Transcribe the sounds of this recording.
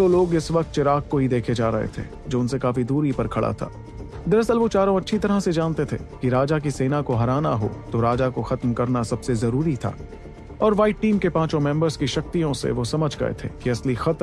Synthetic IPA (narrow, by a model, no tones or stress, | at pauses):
t̪oloːɡɪsʋɐq̚t̪̚t͡ʃɪɾaːk̚koɦid̪eːkʰed͡ʒaːɾɐɦḛt̪ʰḛː | d͡ʒoːʊnsekaːfid̪uːɾipɐɾkʰɐɭa̰t̪ʰa̰ː | d̪ɐɾɐsəlʋot͡ʃaːɾõɐtːʃʰit̪ɐɾased͡ʒaːnt̪et̪ʰḛkiɾaːd͡ʒak̬iseːnakoɦɐɾaːnaɦo̰t̪oɾaːd͡ʒakoxɐt̪mkɐɾnasɐbsezɐɾuːɾit̪ʰa̰ː | ɔːɾʋaːɪʈʈːiːmkepãːt͡ʃõmɛ̃ːmbəɾzkiʃɐk̚t̪ijõsḛʋosɐməd͡ʒʱɡɐ̰ḛt̪ʰḛːkiɐslixɐt̪